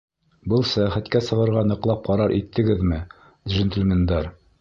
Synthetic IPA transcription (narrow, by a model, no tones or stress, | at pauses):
bɤlˠsæjæχæt̪kæsɤ̆ʁɤ̆ɾʁɑnɤ̆qlˠɑp̚qɑɾɑɾʔit̪ʰːɘ̆ɡɘðmɘ | d̪ʒɘ̆nt̪ɘ̆lmɘ̆nd̪ɑɾ